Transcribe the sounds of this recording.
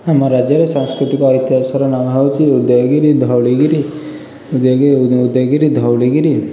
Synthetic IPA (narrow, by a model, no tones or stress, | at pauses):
amaɾad͡ʒjaɾesãŋskɾit̪ikɔːjt̪jɦasɔɾɔnamʱat͡ʃiud̪joɡiɾid̪ʱawɭiɡiɾi | ud̪jɡud̪joɡiɾid̪ʱawliɡiɾi